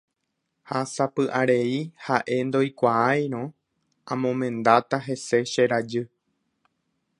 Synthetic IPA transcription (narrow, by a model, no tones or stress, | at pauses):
hasapɨʔaɾe̞ihaʔe̞nd̪o̞jkʷaaj̃ɾ̃õ | ãmõ̞mẽ̞nd̪at̪aɦe̞se̞ʃe̞ɾad͡ʒɨ